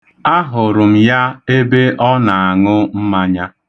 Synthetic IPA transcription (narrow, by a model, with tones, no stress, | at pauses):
a˦ɦʊ˨ɾʊ˨m̩˨ja˦e˦be˦ʔɔ˦na˨a˨ŋʊ˦m̩˦ma˦ɲa˦